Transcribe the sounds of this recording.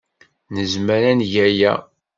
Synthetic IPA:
nəzməɾænjæjæ̰

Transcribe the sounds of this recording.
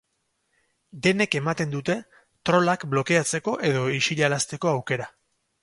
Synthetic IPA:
d̪e̞ne̞ke̞mat̪e̞nd̪ut̪e̞ | t̪ɾo̞lakblo̞ke̞at͡se̞ko̞ʔe̞ð̞o̞iʃiʎalast̪e̞ko̞awke̞ɾa

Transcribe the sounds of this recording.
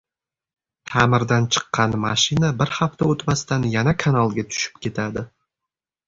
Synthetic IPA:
t̪ʰamɪɾd̪ant͡ʃʰə̥qːɑnmaʃinabɪɾχaft̪aɵt̪mast̪anjanakʰanalˠɡʲat̪ʰʊ̥ʃɪ̥p̚kʲʰe̞t̪ʰad̪ɪ

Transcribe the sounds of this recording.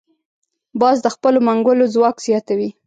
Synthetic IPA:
bɑzd̪əxpəlomaŋɡʊlozwɑkz̥jɑt̪awi

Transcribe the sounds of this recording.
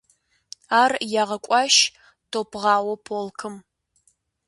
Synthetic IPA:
aːrjaːʁɐkʷʼɑʃ | tʰopʰʁɑːwɐpʰoːlkʰɨm

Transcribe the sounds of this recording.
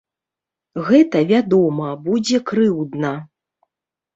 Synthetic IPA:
ɣɛt̪ɐvʲad̪ɔmɐbud͡zʲɛkɾɨwd̪nɐ

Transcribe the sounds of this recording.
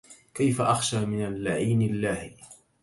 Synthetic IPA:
kajfaʔaxʃaːmɪnalːaʕiːnɪlːaːh

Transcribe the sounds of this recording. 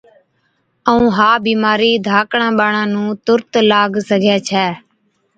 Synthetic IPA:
əũːɦaːbiːmaːɾiːd̪ʱaːkɳãːɓaːɳãːnũːt̪ʊɾt̪laːɡsəɡʱeːt͡ʃʰɛː

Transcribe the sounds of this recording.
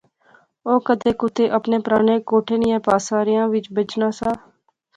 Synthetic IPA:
oːkəd̪eːkʊt̪ʰeːʔəpneːpɾaːneːkoːʈʰeːnɪjãːpaːsaːɾɪjãːʋɪt͡ʃbət͡ʃnaːsãː

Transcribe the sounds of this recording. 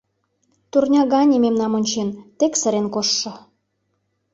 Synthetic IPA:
t̪urnʲɑɣɑnʲimemnɑmonʲt͡ɕent̪eksə̆ɾenkoʃːɤ̆

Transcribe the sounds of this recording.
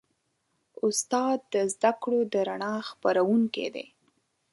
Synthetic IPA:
ʊst̪ɑd̪̚d̪əzd̪akɽod̪əɾaɳɑxpaɾawuŋkḛd̪ḛ

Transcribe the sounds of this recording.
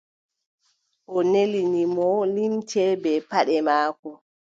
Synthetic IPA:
ʔɔnelinimɔlimtʰɛbɛpaɗɛmaːkɔ

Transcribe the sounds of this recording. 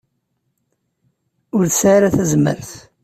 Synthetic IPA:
ʊɾθəsʕaɾaθæzmə̰ɾθ

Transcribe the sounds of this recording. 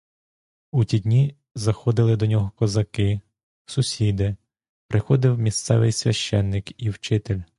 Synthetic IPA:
utʲid̪ʲnʲi | zɐxɔd̪ɪlˠɪd̪ɔnʲɔɦɔkɔzɐkɪ | sʊsʲid̪ɪ | pɾɪxɔd̪ɪwmʲist̪sɛ̰ʋɪ̰jsʲʋʲɐʃt͡ʃɛnːɪkiwt͡ʃɪt̪ɪlʲ

